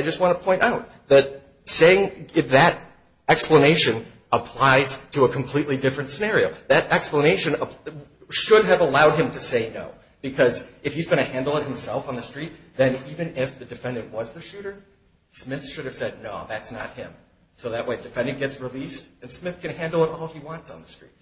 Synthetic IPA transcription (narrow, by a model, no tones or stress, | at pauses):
aɪd͡ʒʌst̚wɑ̃nəpʰɔ̃ɪ̃ntaʊt̪̚ | ðɨt̚ | seɪɪ̃ŋðɨɾ | ɛkspləneɪʃɨ̃n | əpʰl̥aɪz̥tʰɨəkʰm̩pʰl̥iʔˡlidɪfɹɨ̃ntsɨnɛɹioʊðɨɾɛkspləneɪʃɨ̃nə | ʃʊd̚ɨvəlaʊd̚ɨ̃mtʰɨseɪno̰ʊ | b̥ɨkʰʌzɨfhizɡʌnɨhæ̃ndˡl̩ˠət̚hɨ̃m̩sɛlˠfn̩ðɨstɹ̥it̪̚ | ðɨ̃nivɨ̃nɪfðɨdɨfɛ̃ndɨ̃nʔwʌzðɨʃʉɾə˞ | smɪθʃʊɾɨv̥sɛdⁿnoʊðætsnət̚hɪ̃m | soʊðɨʔ̚weɪɨdɨfɛ̃ndɨ̃nɡɛtsɹilistɨ̃nsmɪθkɨ̃nhæ̃ndl̩ˠəɾɔlˠiwɑ̃ntsn̩ðəstɹ̥ḭt̚